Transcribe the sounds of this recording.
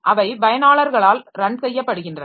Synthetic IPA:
ʔɐʋɐɪbɐjɐnaːɭɐɾɣɐɭaːlɾɐɳɖsɛjːɐpːɐɽɯɣɪndrɐ

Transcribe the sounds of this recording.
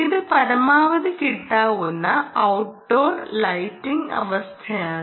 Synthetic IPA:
iðɨpɐɾɐmaːʋɐðɨkiʈːaːʋunːɐɐwʈ̚ɖoːrlɐjtːiŋɡɐ̰ʋɐst̪ʰɐjaː

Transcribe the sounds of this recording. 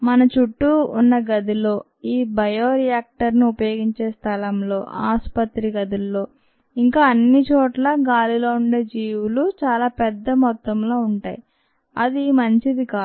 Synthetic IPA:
mɐnɐt͡ʃuʈːuːnːɐɡɐd̪ilo̞ː | iːbɐjoːɾijaːk̚ʈɐɾniupɐjo̞ːɡiɲt͡ʃe̞ːst̪ʰɐlɐmlo̞ːʔaːspɐt̪ɾiɡɐd̪ulːo̞ː | iŋkaːɐnːit͡ʃoːʈlɐɡaːlilo̞ːuɳɖe̞ːd͡ʒiːwulut͡ʃaːlaːpɛd̪ːɐmɔt̪ːɐmlo̞ːuɳʈaːji | ɐ̰d̪imɐɲt͡ʃid̪ikaː

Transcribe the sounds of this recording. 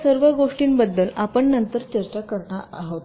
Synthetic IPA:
səɾʋəɡoʂʈiːnbəd̪ːəlapəɳːənt̪əɾt͡ɕəɾt͡ɕakəɾɳaʔaɦot̪

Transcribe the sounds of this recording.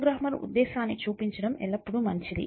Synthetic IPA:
ɡɾɐːmɐɾṵd̪ːɛːsaːnːit͡ʃuːpiɲt͡ʃɐɽɐmɛ̰ɭːɐpːuɽumɐnt͡ʃid̪ḭ

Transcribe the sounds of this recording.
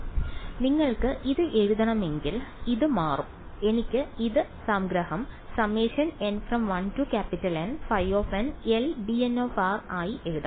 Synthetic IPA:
niŋːɐɭkɨʔiðɨʔe̞ɻuðɐɳɐme̞ŋɡiliðɨmaːrume̞nikʲːɨiðɨsaːmɡɾɐhɐmsɐmeːʂɐnenfrɐmʋɐntukʲaːpːitːɐlenfɐjʋoːfenelbieno̞ːfaːraːjiʔe̞ɻuðɐ

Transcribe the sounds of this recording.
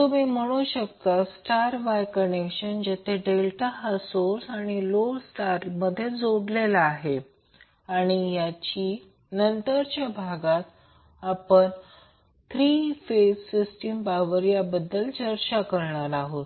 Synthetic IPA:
t̪omim̤əɽ̃uɕəkt̪əsʈaɾʋajkənekɕənd͡ʑet̪ʰeɖelʈaɦəsoɾsaɽ̃iloɽsʈaɾməd̪ʱːjed͡zoɽlelaːɦe | aɽ̃ijat͡ɕiː | nənt̪əɾt͡ɕjabʱaɡat̪ | apəɳ | t̪ʰɾiːfesːisʈimpaʋəɾijabəd̪ːəlt͡ɕəɾt͡ɕakəɾɳaɾaɦot̪

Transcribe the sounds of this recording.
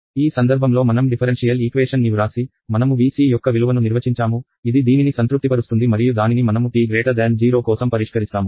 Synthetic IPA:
iːsɐnd̪ɐɾbʱɐmlo̞ːmɐnɐmɖipʰɐɾenʂijɐliːkʋeːʂɐnːiuɾaːsi | mɐnɐmuʋiːsiːjɔkːɐʋiluʋɐnuniɾʋɐt͡ʃiɲt͡ʃaːmu | id̪id̪iːninisɐnt̪ɾup̚t̪ipɐɾust̪und̪imɐɾijud̪aːninimɐnɐmuʈiːɡɾeːʈɐɾd̪aːɳɖd͡ʒiːɾo̞ːkɔːsɐmpɐɾiʂkɐɾist̪aːmu

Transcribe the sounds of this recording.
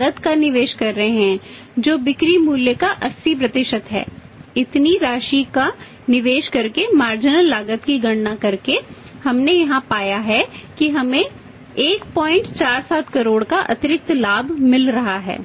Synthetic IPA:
ɡət̪kanɪʋeːʃkɐɾːɐɦeɦɛ̃ | d͡ʒoːbɪkɾimuːljəkaʔɐsːipɾɐt̪ɪʃət̪ɦɛ̰ː | ɪt̪niɾaːʃika | nɪʋeːʃkɐɾkemaːɾd͡ʒɪnəlːaːɡət̪kiɡɐɽnakɐɾke | hɐmnejɐɦãpaːjaɦɛkiɦɐmẽ | eːkpɔːɪ̃ɳʈt͡ʃaːɾsaːt̪ʰkɐɾoːɽkaʔɐ̰t̪ɪɾɪk̚t̪laːbʱmɪlɾɐɦaɦɛ̰ː

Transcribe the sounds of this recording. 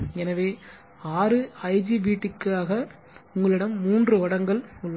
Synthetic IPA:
ɛnɐʋeː | aːrɯɐɪd͡ʒiʋiːʈːɪkːaːɣɐ | ʊŋɡɐɭɪɽɐmːuːndrɯʋɐɽɐŋɡɐɭʊɭːɐ

